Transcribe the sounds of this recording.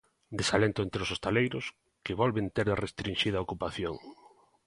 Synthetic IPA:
d̪esalent̪ʊent̪ɾeosost̪alejɾʊs | kɪβɔlβent̪eɾðrest̪ɾinʃiðaokupaθjoŋ

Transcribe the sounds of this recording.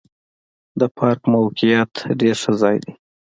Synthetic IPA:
d̪əpʰɑɾkmawkijɑt̪ɖeɾʂəzɑjd̪i

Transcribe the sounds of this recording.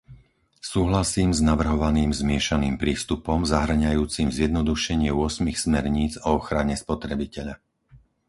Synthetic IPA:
suːɦlasiːmznaʋr̩ɦɔʋaniːmzmɪɛʃaniːmpɾiːst̪upɔmzaɦr̩ɲajuːt͡simzjɛd̪nɔd̪uʃɛɲɪɛʊɔsmixsmɛɾɲiːd͡zɔɔxɾaɲɛspɔt̪ɾɛbicɛʎa

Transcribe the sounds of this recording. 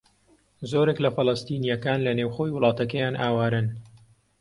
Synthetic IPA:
zoːɾeklɐfɨlˠɐst̪iːnijɐkaːnlɐnewxoːjwʊlˠɑːt̪ɐkɐjaːnʔaːwaːɾɨn

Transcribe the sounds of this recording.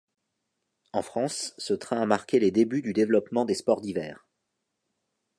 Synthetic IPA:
ɑ̃fχɑ̃sːət̪χɛ̃amaʁkʲeled̪ebyd̪yd̪evlɔpmɑ̃d̪espɔʁd̪ivɛːʁ

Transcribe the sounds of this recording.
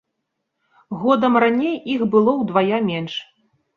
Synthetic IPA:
ɣɔd̪ɐmranʲejixbɨlˠɔwd̪vajamʲɛnʂ

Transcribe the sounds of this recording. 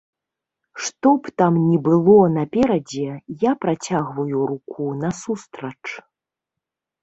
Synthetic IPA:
ʂt̪ɔpt̪amnʲɛbɨlˠɔnɐpʲɛɾɐd͡zʲɛjapɾat͡sʲaɣvɐjuɾukʰunɐsust̪ɾɐt͡ʂ

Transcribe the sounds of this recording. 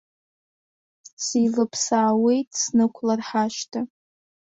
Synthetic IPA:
silɨpʰsaːwe̞jtʰʼsnɨkʷʰlarħaʃtʰa

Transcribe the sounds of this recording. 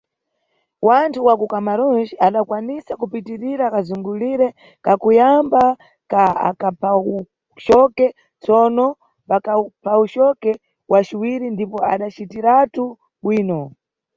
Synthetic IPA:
wantʰuwakukamaɾɔnd͡ʒiaɗakwanisakupitiɾiɾakazuŋɡuliɾɛ | kakujamba | kaa̰kapʰau | ʃɔkɛ | t͡sɔnɔ | pakapʰaut͡ʃɔkɛ | wat͡ʃiwiɾindipɔa̰ɗat͡ʃitiɾatu | ɓwiːnɔ

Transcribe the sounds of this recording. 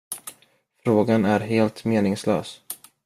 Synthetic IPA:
fɾoːɡanæɾɦeːlt̪meːnɪŋslø̰ːs

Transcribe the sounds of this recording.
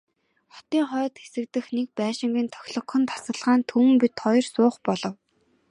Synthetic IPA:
χɔ̥t̪iːŋχœːt̪xesɘ̆kt̪ɘ̆xnek̚pæːʃɪ̆ŋɡʲĭnt̪ʰɔ̥xʲɮɞ̆kχɞ̆nt̪ʰḁsə̆ɮʁaːnt̪ʰuwɘ̆mpit̪χɔjɞ̆rsʊːχpɔɮɞ̆w

